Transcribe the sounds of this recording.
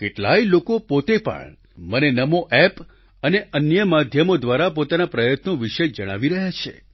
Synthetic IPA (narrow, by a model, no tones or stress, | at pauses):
keʈla̰ilokopot̪epə̰ɳ | mənenəmoʔɛp | əneʔənjəmad̪ʱjəmod̪ʋaɾapot̪anapɾəjət̪noʋiʃed͡ʒəɽ̃a̰ʋiɾəɦjat͡ʃʰḛ